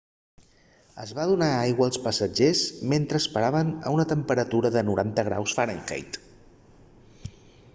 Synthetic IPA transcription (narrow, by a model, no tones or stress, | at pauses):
ə̰zβaðunaajɣwəːlˠspəsəd͡ʒezment̪ɾəːspəɾaβənə̰unət̪əmpəɾət̪uɾəðənuɾant̪əɣ̞ɾa̰wsfəɾəŋkḛjt̪